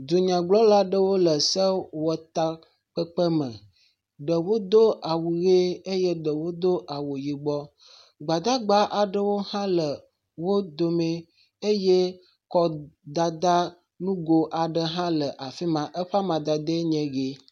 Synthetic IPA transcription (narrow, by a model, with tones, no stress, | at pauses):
d͡ʒ̪u˨ɲã˨ɡ͡blɔ˦la˦ɖə˦wo˦lə˨sə˦wɔ˨t̪a˦ | k͡pə˦k͡pə˦mə̰̃˨ | ɖə˨wo˦d̪o˦a˨wu˨ɣe˦e˦je˦ɖə˨wo˦d̪o˦ʔa˨wo˨ji˨ɡ͡bɔ˦ | ɡ͡ba˨d̪a˦ɡ͡ba˦ʔa˨ɖə˦wo˦hã˦lə˨ | wo˦d̪o˨mẽ˦ | e˦je˦ | kɔ˦d̪a˨d̪a˦ | nũ˦ɡo˦ʔa˨ɖə˨ɦã˦lə˨ʔa˨fi˦mã˨ʔə˦ɸa˦mã˨d̪a˨d̪e˦ɲɛ̃˨ɡe˦